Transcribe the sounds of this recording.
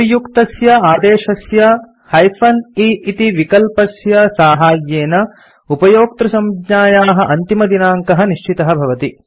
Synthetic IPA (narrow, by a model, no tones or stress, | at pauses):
jukt̪ɐsjɐaːd̪eːʃɐsjɐ | hɐjpʰɐniit̪iʋikɐlpɐsjɐsaːɦaːjeːnɐ | upɐjoːk̚t̪ɾɐsɐmd̪ɲaːjaːɦɐʔɐnt̪imɐd̪inaːŋkɐɦɐniʃt͡ʃit̪ɐɦɐbʱɐʋɐt̪i